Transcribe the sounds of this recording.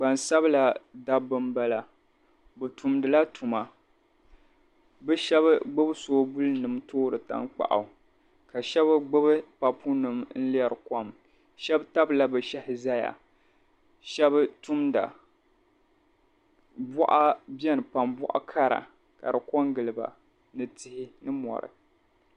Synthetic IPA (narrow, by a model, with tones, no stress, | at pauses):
ɡ͡ba˨nsa˦bɨ˦la˨da˦bɨ˦mba˦la˨ | bɨ˨tu˨mdɨ˨la˦tʰu˨ma˨ | bɛ˦ʃɛ˦βɡ͡bɨ˦bɨ˦soː˦bu˦lɨ˦nɨ˨mtoː˦ɾɨ˨ta̰˦ŋk͡pa̰˨ʔa̰˨ | ka˨ʃɛ˦bɨ˦ɡ͡bɨ˦bɨ˦pa˨pʰu˦nɨ˨mn̩˦li˦ɛ˦ɾɨ˨kɔ˦m | ʃɛ˦bta˦bla˨bɨ˨ʃɛ˦hɪ˨za˦ja̰˨ | ʃɛ˦btu˦mda̰˨ | bɔ˦ʔa˦bɛ˦nɨ˨pa˨mbɔ̰˦ʔa̰˦kʰa˦ɾa̰˨ | ka̰˨ɾɨ˨kɔ˦ŋɡɨ˨lɨ˨ba̰˨ | nɨ˨tɪ˦hɪ˦nɨ˦mɔ̰˨ɾɨ̰˨